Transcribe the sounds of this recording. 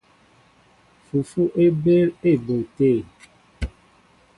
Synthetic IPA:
fu˨fu˦ʔe˦be˦le˦˨bo˨te˦˨

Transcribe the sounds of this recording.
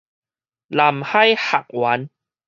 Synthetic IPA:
la˨˩mha˥˧jha˨k̚wa˨˦n

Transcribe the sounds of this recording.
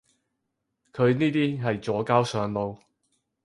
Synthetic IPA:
kʰɵ˨˧ɥniː˥t̪iː˥ɦɐ˨jt͡sɔː˨˥kaː˥wsœː˨˧ŋlo˨˧w

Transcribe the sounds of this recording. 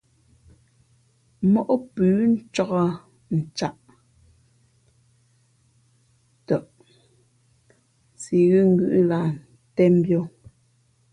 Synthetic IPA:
mɔ˦ʔo˦pʉː˨˦n̩˦t͡ʃɔ˦ɣɔ˦ | n̩˨t͡ʃa˦ʔ | tɔ˨ʔ | si˨ɣʉ˦ŋ̩˨ɡʉ˦ʔla˨n | tɛ˦m˦bjo˦

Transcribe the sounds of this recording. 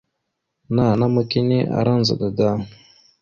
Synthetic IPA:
na˦˨na˦ma˦ki˦ne˦ʔa̰˨ɾa˦n˨za̰˨da˨ɡa˦˨

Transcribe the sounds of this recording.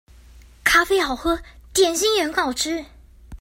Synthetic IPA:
kʰa˥fe˥ɪxɑ˨˩ʊxɤ˥t̪jɛ˨˩nɕi˥ŋɥɛ˧˥nkɑ˨˩ʊʈ͡ʂɻ̩˥

